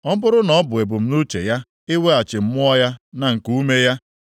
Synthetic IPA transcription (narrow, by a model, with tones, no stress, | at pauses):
ɔ˦m̩˦bʊ˦ɾʊ˦nɔ˦ɔ˦bʊ˨e˨bʊ˨m̩˦nu˦t͡ʃḛ˨ja˦ | ɪ˦we˦a˨t͡ʃɪ˨m̩˦mʊ˦ɔ˦ja˦na˨ŋ̩˨ku˦me˦ja˦